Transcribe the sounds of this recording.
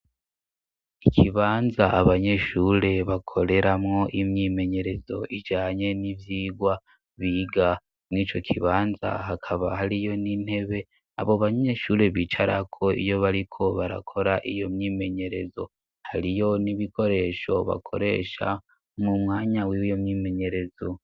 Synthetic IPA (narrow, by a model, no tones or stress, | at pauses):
ikʰiβaːnzaʔaβaɲe̞ʃuːɾe̞βakʰo̞ɾe̞ɾamŋo̞ʔimɲiːme̞ɲe̞ɾe̞zo̞̰ʔid͡ʒaːɲe̞nivjiːɡwa | βiɡa | mŋiːt͡ʃo̞kʰiβaːnza̰hakʰaβahaɾijo̞nin̥he̞βe̞ | aβoβaɲe̞ʃuːɾe̞βiːt͡ʃaɾakʰo̞ḭjo̞βaɾikʰo̞βaɾa̰kʰo̞ɾaʔijo̞mɲiːme̞ɲe̞ɾe̞̰zo̞̰ | haɾijo̞niβikʰo̞ɾe̞ʃo̞βa̰kʰo̞̰ɾe̞̰ːʃa̰ | mumŋaːɲawijomɲiːme̞ɲe̞ɾe̞zo̞